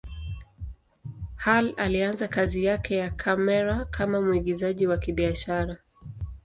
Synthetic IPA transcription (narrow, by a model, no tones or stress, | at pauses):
halalianzakazijakʰɛjakʰamɛɾakʰamamuiɠizaʄiwakiɓiaʃaɾa